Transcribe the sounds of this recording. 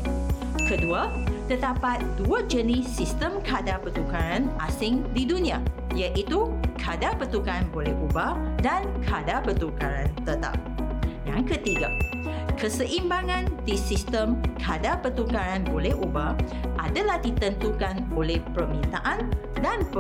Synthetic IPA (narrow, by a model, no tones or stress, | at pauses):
kəduat̪əd̪apat̪̚d̥uad͡ʒənisist̪əmkʰadapət̪ukaɾanʔasɪŋdidunĩa | jaʔit̪ukʰadapət̪ukaanbolɛhubadankʰadapət̪ukaɾant̪ət̪a̰p̚jaŋkət̪iɡa̰ | kəsəʔimbaŋãndisist̪əmkʰadapət̪ukaɾanbolɛhʔubaʔadalahdit̪ənt̪ukanolɛhpərmĩnt̪aʔandanp